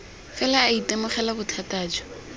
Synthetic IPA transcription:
fɛlaːitʼemʊχɛlabʊtʰataːd͡ʒɔ̥

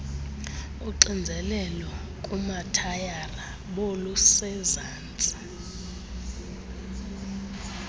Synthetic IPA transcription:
uǃind͡zʱɛlɛlɔkʼumatʰajara | ɓolusɛzaːnt͡sʼi̥

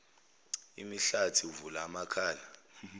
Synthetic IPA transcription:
imiɬatʰiuvulamakʰaːla

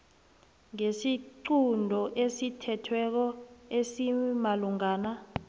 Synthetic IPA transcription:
ŋesiǃundʱɔʔesitʰɛtʰwɛk̬ɔesimaluŋaːna

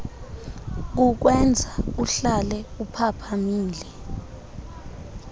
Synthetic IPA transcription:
k̬uk̬wɛnd͡zʱauɬalɛupʰapʰamiːlɛ

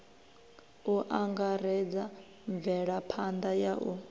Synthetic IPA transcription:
uʔaŋɡaɾɛd͡za | ɱb̪vɛɺapʰand̪ajaʔu

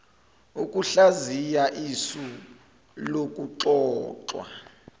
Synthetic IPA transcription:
ukʼuɬazijaʔisu | lok̬ʼuǁɔːǁwa̰

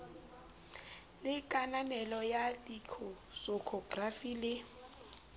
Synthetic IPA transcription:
lɪkʼananɛlɔjadikʰɔ | sɔkʰɔɡrafilɪ

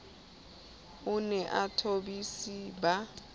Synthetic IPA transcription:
ʊnɛʔatʰobisiba

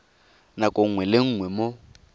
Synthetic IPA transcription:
nakʼoŋ̩ŋwɛlɪŋ̩ːŋwɛmo

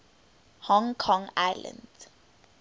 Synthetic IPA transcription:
hɔ̃ŋkʰɔ̃ŋaɪlə̰̃nd

